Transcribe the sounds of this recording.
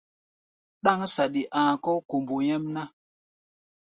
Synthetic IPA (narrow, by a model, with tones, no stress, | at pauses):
ɗa˦ŋsa˨ɗi˨ʔã˨kɔ˦ko˨mbu˨jɛ˦mna˦